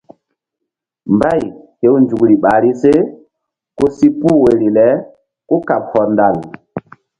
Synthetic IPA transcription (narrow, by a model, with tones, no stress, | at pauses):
mba˦˨jhe˨˦wnd͡ʒu˨kɾi˨ɓa˨ɾi˦se˦ | ko˦si˦pu˦we˨ɾi˨lɛ˨˦ | ko˦ka˨p̚hɔ˨nda˨l